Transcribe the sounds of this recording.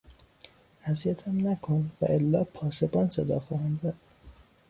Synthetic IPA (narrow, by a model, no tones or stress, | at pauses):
æzijæt̪ʰæmnækʰonvæ̰ʔelːɒːpʰɒːsebɒːnsed̪ɒ̰ːxɒːhæmzæd̪̥̚